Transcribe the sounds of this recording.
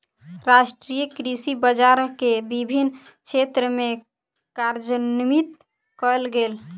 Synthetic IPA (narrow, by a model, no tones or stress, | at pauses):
ɾasʈɾijəkɾisibəd͡ʒaɾkebibʱinkt͡ʃʰet̪ɾəme | kaɾd͡ʒənimit̪ | kɔlɡel